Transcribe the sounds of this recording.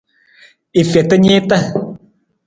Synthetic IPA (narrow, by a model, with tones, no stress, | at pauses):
i˨fɛ˨t̪ə˦ɲe˦t̪ə˦